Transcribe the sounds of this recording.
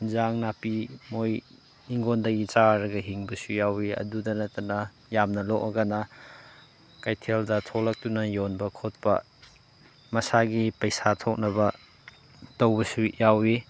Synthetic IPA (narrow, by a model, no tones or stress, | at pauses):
zaŋnapimoj | iŋɡondɐɡit͡ʃaɾɐɡɐɦiŋbɐsujawiɐ̰dudɐnɐtɐnɐ | jamnɐlokɐɡanɐ | kajtʰeldɐtʰolɐk̚tunɐjonbɐkʰot̚pɐ̰ | mɐsaɡipɐjsatʰok̚nɐbɐ | tɐwbɐsujawi